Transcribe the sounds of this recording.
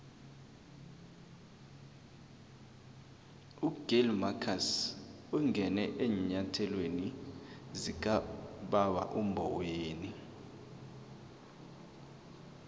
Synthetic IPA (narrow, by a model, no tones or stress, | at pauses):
uɡ̥ʱelmakʰas | uŋʱɛnɛʔeːɲatʰɛlwenizik̬ʼaɓawa̰ʔumbʱɔweːni